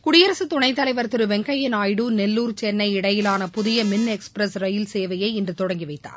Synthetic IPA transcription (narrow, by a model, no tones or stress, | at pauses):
kʊɽɪjɐɾɐsɯt̪ʊɳɐɪt̪ːɐlɐɪʋɐɾt̪ɯɾɯʋɛŋkɐjɪnaːjɽunɛlːuːɾt͡ʃɛnːɐɪɪɽɐjɪlaːnɐpʊðɪjɐmɪnːɛkspɾɐsɾɐjɪlseːʋɐjɐɪɪndrɯt̪ɔɽɐŋɡiʋɐɪt̪ːa̰ːɾ